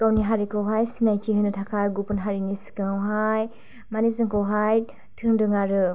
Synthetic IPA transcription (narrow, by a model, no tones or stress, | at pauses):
tawniɦaɾikʰɔwɦajsinajtʰiɦɯnɯtʰakʰajɡupɯnɦaɾinisi̥kɯŋawɦaj | manizɯŋkʰɔwɦaj | tʰɯŋdɯŋaɾɯ